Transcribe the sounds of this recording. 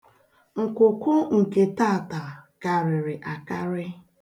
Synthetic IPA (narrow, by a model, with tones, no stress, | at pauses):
ŋ̩˨kʊ˨kʊ˦ŋ̩˨ke˨ta˦˨ta˨ka˨ɾɪ˨ɾɪ˨ʔa˨ka˦ɾɪ˦